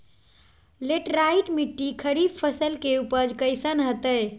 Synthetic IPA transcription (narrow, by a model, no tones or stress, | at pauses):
leʈɾaiʈmiʈːikʰəɾib̚pʰəsəlkeupəd͡ʒkəɪsənɦət̪əj